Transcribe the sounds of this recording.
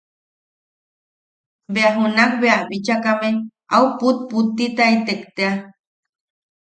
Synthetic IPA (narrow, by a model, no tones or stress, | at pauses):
beaɦunak̚beabit͡ʃakame | auput̪̚put̪ːit̪ait̪ekt̪ea